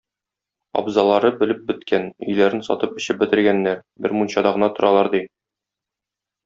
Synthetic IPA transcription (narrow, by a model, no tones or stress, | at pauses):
ɒ̰bzɑlˠɑɾɤbɘ̆lɘp̚bɘ̆t̪kʰænɵ̰̆jlæɾɘnsɒ̰t̪ɤpɵ̆ɕɘp̚bɘ̆t̪ɘ̆ɾɡænːæɾbɘ̰ɾmunɕɑd̪ɑʁɤ̆nɑt̪ŏɾɑlˠɑɾd̪i